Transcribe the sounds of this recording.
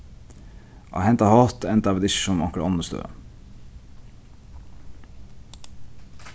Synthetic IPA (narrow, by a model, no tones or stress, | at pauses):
ʔɑ̰ːhɛnt̪ɑhɑːt̪ɛnt̪ɑːʋəd̪ɪʃɔmɑ̰ŋkəɽɔnəst̪ø̰ːə̰